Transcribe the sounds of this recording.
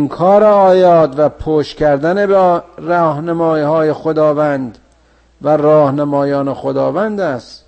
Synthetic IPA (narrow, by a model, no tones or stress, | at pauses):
ŋkʰɒːɾeɒːjɒːt̪væpʰoːʃkʰæɾd̪ænebeɾɑːhnæmɒːiːhɒːjexod̪ɒːvænd̪ | væɾɒːhnæmɒːjɒːnexod̪ɒːvænd̪æst̪